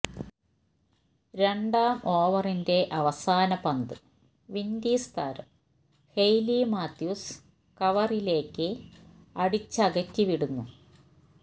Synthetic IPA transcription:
ɾe̞ɳɖaːmo̞ːʋɐrinde̞ʔɐʋɐsaːnɐpɐnd̪ɨ | ʋind̪iːst̪ʰa̰ːɾɐ̰m | hejlimaːt̪juːs | kɐʋɐrile̞ːkːɨ | ɐɽit͡ɕːɐɣɐkʲːɨʋiɽunːu

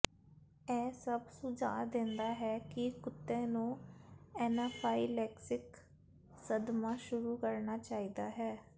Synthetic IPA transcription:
ɛːsəbsʊd͡ʒa̰ːd̪ẽnd̪aːɦɛːkɪkʊt̪ːẽːnũːɛːnaːpʰaːiːlɛːksɪk | səd̪mãːʃʊɾuːkəɾnaːt͡ʃaːiːd̪aːɦɛː

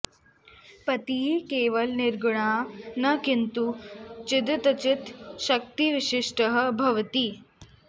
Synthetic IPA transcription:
pɐt̪iɦikeːʋəlniɾɡɳ̃aːnɐkint̪ut͡ʃid̪t̪ɐt͡ɕit̪ʃɐk̚t̪iʋiɕiʂʈəɦəbʱɐʋt̪i

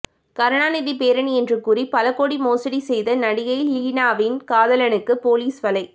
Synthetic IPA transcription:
kɐɾɐɳaːnɪðipeːɾɐɳiɛndrɯkːʊripɐlɐkːoːɽimoːsɐɽisɛjðɐnɐɽɪjɐjlliːnaːʋɪnkaːðɐlɐnɯkːɯpoːliːsʋɐlɐɪ

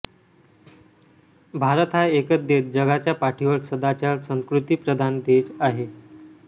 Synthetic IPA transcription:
bʱaɾət̪ɦaekət̪̚d̪et̪̚d͡ʑəɡat͡ɕjapaʈʰiʋəɾsəd̪at͡ɕaɾsə̃ŋskɾut̪iːpɾəd̪ʱand̪ed͡ʑaɦe

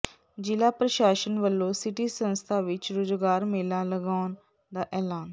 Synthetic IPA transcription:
d͡ʒɪlaːpɾəʃaːʃənʋəlːõːsɪʈiːsənst̪ʰaːʋɪt͡ʃɾoːzɡaːɾmeːlãːləɡaːn | d̪aːʔɛːlaːn

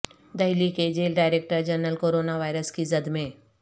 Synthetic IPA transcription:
d̪əɦiliked͡ʑelɖajɾek̚ʈəɾd͡ʑənəlkoɾonaʋajɾəskizəd̪mẽ

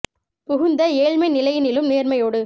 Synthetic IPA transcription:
pʊɣʊnd̪ɐeːɭmɐɪnɪlɐjnɪlɯmneːɾmɐjoːɽɯ

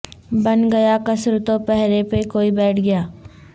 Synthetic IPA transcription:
bɐnɡɐjakɐsɾt̪opɛɦɾepekoːibɛːʈʰɡɐjaː

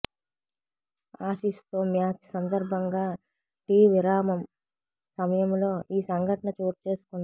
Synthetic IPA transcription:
aːʃist̪oːmjaːt͡ʃsɐnd̪ɐɾbʱɐŋɡaː | ʈiːʋiɾaːmɐm | sɐmɐjɐmlo̞ːiːsɐŋɡʱɐʈɐɳɐt͡ʃoːʈt͡ʃe̞ːsu̥kun

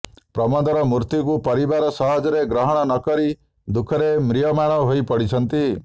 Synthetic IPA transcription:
pɾɔmɔd̪ɔɾɔmuɾt̪ik̬upɔɾibaɾɔsɔɦɔd͡ʒɔɾeɡɾɔɦɔɽ̃ɔnɔkɔɾi | d̪ukʰɔɾemɾijɔmaɽ̃ɔɦoipɔɽit͡ʃʰɔnt̪i

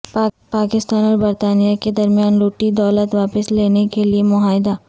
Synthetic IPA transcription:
paːkɪst̪aːnɔːɾbɐɾt̪aːnijaked̪ɐɾmijaːnɾuːʈid̪ɔːlət̪ʋaːpɪsleːnekeliemʊɦaːɪd̪aː

